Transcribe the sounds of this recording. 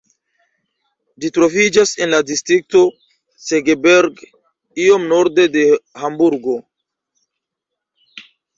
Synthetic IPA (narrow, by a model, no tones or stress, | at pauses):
d͡ʒitɾo̞vid͡ʒase̞nladistɾik̚to̞ | seɡebeɾɡ | io̞mno̞ɾde̞de̞hambuɾɡo̞